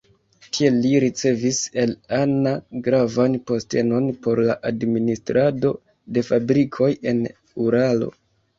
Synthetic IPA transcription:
tʰie̞liɾit͡se̞vise̞lanaɡɾavanpo̞ste̞no̞npo̞ɾlaʔadministɾʔado̞ | de̞fabɾikʰo̞je̞n | uɾalo̞̰

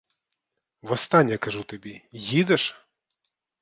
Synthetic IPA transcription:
vɐst̪anʲːɐkaʐut̪abʲɛjid̪ɐʂ

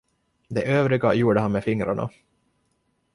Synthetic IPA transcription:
d̪ɛʔøːvɾɪɡajuːɖəɦanmefɪŋɾa̰ɳa̰

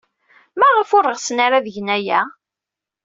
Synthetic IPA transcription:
mæʁəfʊɾˤːəʁsnaɾaðəʝnæjæ

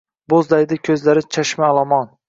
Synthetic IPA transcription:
bozlajd̪ɪkʲʰɵzlaɾɪt͡ʃʰaʃmalˠɒmɒn

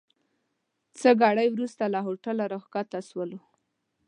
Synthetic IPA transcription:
t͡səɡɑɽəjwɾust̪alaɦoʈalaɾoxkat̪aswəlo

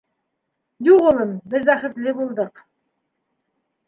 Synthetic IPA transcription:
j̪uʁɤ̆lˠɤmbɘðbæχɘ̆t̪lɘbulˠd̪ɤq

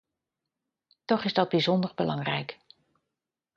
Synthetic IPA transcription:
tɔχɪzdɑd̚bizɔndəɹbəlɑŋrɛjk

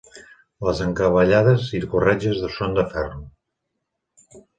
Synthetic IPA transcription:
ləzəŋkəβəʎaðəziɾkurɛd͡ʒəzðəsond̪əfɛrnu

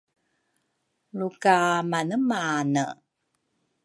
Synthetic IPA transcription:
lukamanəmanə

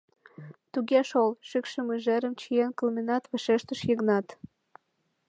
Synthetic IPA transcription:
t̪uɣeʃolʃykʃəmuʒeɾəmt͡ɕijenkəlminɑt̪βəʃeʃt̪əʃjəɣnɑt̪

